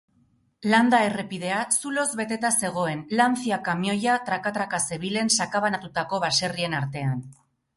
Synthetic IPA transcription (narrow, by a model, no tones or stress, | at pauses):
land̪ae̞re̞pið̞e̞asulo̞zβe̞t̪e̞t̪ase̞ɣ̞o̞e̞nlanθiakamjo̞jat̪ɾakat̪ɾakase̞β̞ile̞nsakaβanat̪ut̪ako̞βase̞rie̞naɾt̪e̞an